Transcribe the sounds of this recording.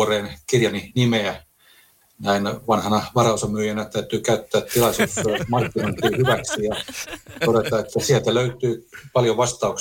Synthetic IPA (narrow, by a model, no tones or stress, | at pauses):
oreːnkirjɑninimeæ | næinʋɑnhɑnɑʋɑrɑosɑmyːjænæt̪æyt̪yːkæyt̪ːæːt̪ilɑisuːsmɑrkːinoˑint̪iːhyʋæksijɑt̪oɾet̪ɑet̪ːæsielt̪æløyt̪yːpɑljoʋɑst̪ɑuk